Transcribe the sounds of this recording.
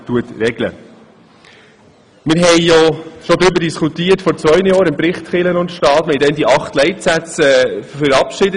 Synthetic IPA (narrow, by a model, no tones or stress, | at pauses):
tuətɾɛɡlə̰ | mɪɾɦɛjjɔʃɔd̪ɾʏbədiskutiːətfɔɾt͡svœʏnəjɔːɾɪmpɾɪχtχɪlənʊntʃtɑːtʋɛndɛndiʔɑχtlɛɪtsæt͡sɛfəɾɑpʃɪdə